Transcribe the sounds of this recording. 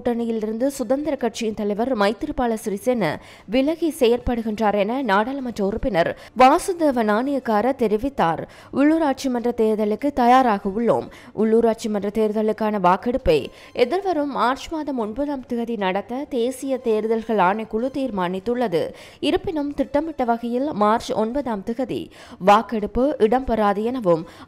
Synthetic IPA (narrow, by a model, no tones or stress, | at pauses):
ʈːɐɳɐjɪlɪɾɯnd̪ɯsʊðɐnd̪ɐɾɐkːɐʈ̚t͡ʃɪjɪnt̪ɐlɐɪʋɐɾmɐɪt̪ːɪɾɯpaːɭɐsɾisenɐ | ʋɪlɐɣisɛjɐɾpɐɽɯɣɪndraːɾɛnɐnaːɽɐlɐmɐt͡ʃːɐʊɾɯpːɪnɐɾ | ʋaːsʊd̪eːʋɐnaːnɪjɐkːaːɾɐt̪ɛɾɪʋɪt̪ːaːɾ | ʊɭːuːɾaːʈ̚t͡ʃimɐndrɐt̪eːɾɯðɐlɯkːɯt̪ɐjaːɾaːɣɐʊɭːo̰ːm | ʔʊɭːuːɾaːʈ̚t͡ʃimɐndrɐt̪eːɾɯðɐɭɯkːaːnɐʋaːkːɐɽɯpːɐɪ | ʔɛðɪɾʋɐɾɯmːaːɾt͡ʃmaːðɐmɔnbɐðaːmt̪ɪɣɐðinɐɽɐt̪ːɐd̪eːsɪjɐt̪eːɾɯðɐlɣɐɭaːɳɐkːʊɭʊt̪iːɾmaːɳɪt̪ːɯɭːɐðɯ̰ | ɪɾɯpːɪnɐmt̪ɪʈːɐmːɪʈːɐʋɐɣɐjɪlmaːɾt͡ʃɔ̰nbɐðaːmt̪ɪɣɐðḭ | ʋaːkːɐɽɯpːɯʔɪɽɐmpɐɾaːðɪjɐnɐʋɯm